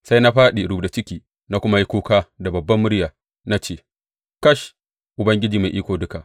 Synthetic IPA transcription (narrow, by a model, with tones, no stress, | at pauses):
sa˦jna˦ɸaː˦ɗi˨ɽuː˦bda˨t͡ʃɪ˦kʲiː˨ | na˦kʷʊ˦ma˦ji˦kʷoː˦kaː˦da˨bɐ˨bːɐ˦mːʊ˦ɽjaː˨ | na˦t͡ʃeː˦˨ | kɐ˦ʃ | ʔʊ˨bɐ˦ŋɡʲɪ˦d͡ʒiː˨ma˨ʔiː˦kʷoː˨dʊ˦ka˨ʔ